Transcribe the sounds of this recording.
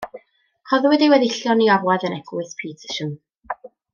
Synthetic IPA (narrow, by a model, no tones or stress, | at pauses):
hɔðwɪdiwɛðɪɬjɔniɔɾwaðənɛɡlˠɨspʰiːtʰə̥ʃən